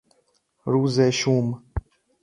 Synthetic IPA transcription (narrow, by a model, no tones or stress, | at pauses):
ɾuːzeːʃuːm